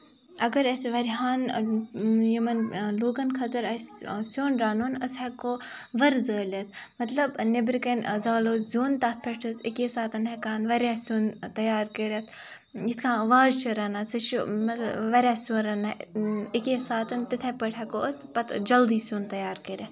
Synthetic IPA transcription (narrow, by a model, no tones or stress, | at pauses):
ɐɡɐɾɐsʋɐɾɦaːn | jimɐnloːɡɐnkʰɐt̪ɐɾɐsʲsoːnɾaːnonɐsɐkoʋɐɾzəːlʲɐt̪̚ʰmɐt̪lɐbnebɾikɐnzaːloːzzoːnt̪at̪̚ʰpʰɐʈʰɐzikjesaːt̪ɐnɦɐkaːnʋɐɾʲasoːnt̪ɐjaːɾkɐɾʲɐt̪ʰ | jit̪ʰkʰãːʋaːzt͡ʃʰɐɾɐnasɨʃmɐt̪lbʋɐɾʲaːsoːnɾɐnaikjesaːt̪ɐnt̪it̪ʰepɐʈʰɐkoɐspɐt̪d͡ʒɐld̪iːsoːnt̪ɐjaːɾkɐɾʲɐt̪ʰ